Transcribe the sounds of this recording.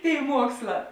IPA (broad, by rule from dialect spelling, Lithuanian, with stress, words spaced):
ˈtʲeːɪ ˈmuɔksˌlˠɑː